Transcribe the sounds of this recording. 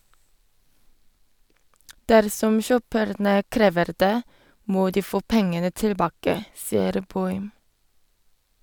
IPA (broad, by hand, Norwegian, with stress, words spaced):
ˈdæɾsɔm ˈçøːpəɾnə ˈkɾeːʋəɾ ˈdeː ˈmoː ˈdiː ˈfoː ˈpɛŋənə tɪlˈbɑːkə ˈsɪəɾ ˈbɔʏm